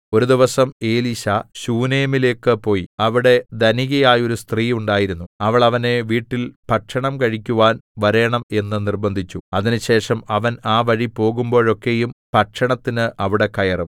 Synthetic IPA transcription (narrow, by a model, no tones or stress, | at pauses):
o̞ɾud̪iʋɐsɐme̞ːliɕɐɕuːneːmile̞ːkːɨpo̞ːjiɐʋiɽe̞d̪ɐniɣɐjaːjo̞ɾust̪riːuɳɖaːjiɾunːuɐʋɐɭɐʋɐne̞ʋiːʈːilpɐʈʂɐɳɐmkɐɻikʲːuʋaːnʋɐɾe̞ːɳɐme̞nːɨnirbɐnd̪ʱit͡ɕːuɐðinɨɕe̞ːʂɐmɐʋɐnaːʋɐɻipo̞ːɣumbo̞ːɻo̞kːe̞jumpɐʈʂɐɳɐt̪ːinɨʔɐʋiɽe̞kɐjɐrɐm